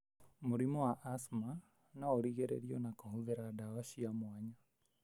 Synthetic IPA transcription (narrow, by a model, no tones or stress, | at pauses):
muɾimɔwaʔːsma | naoɾiɣɛɾḛɾiɔnakoɦuðeɾadawaʃiamwaɲa